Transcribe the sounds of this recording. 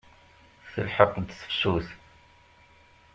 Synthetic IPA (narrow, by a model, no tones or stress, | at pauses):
θə̰lħəqd̪sə̥fsuθ